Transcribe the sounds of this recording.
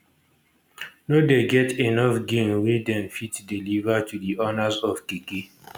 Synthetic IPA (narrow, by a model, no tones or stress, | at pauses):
nodeɡɛtenɔfɡĩmwedɛ̃mfitdilivatudiʔɔnazɔfkike